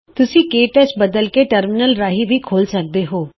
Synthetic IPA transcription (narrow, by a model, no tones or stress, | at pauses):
t̪ʊsĩːkeːʈət͡ʃbəd̪əlkeːʈəɾmɪnəlɾaːɦiːʋiːkʰoːlsək̚d̪eːɦoː